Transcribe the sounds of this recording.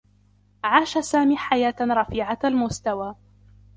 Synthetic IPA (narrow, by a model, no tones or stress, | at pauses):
ʕaːʃasaːmiːħajaːt̪ɾˤɑfiːʕaalmʊst̪awaː